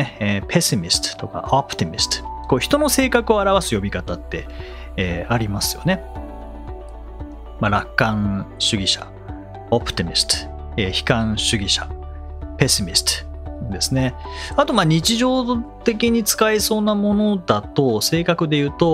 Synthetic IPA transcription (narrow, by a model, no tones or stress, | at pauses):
eːpʰe̞simʲisɨ̥t̪ɨ̥t̪o̞ka̰ʔopɯ̟̥t̪imʲisɨ̥t̪ɨ̥ko̞çi̥t̪o̞no̞se̞ːkakɯ̟o̞aɾaβasɨjo̞bʲikat̪at̪ːe̞ː | aɾʲimasɨjo̞̰ne̞ | maɾakːãɰ̃ɕɨɡʲiɕa̰ | opɯ̟̥t̪imʲisɨ̥t̪ɨ̥ | eːçi̥kãɰ̃ɕɨɡʲiɕa̰ | pe̞simʲisɨ̥t͡s̪ɨ̥d̪e̞sɨne̞at̪o̞maːɲ̟it͡ɕiʑo̞ːt̪e̞kʲiɲ̟it͡sɨ̥kaiso̞ːnamo̞no̞d̪at̪o̞se̞ːkakɯ̟d̪e̞jɯ̟ːt̪o̞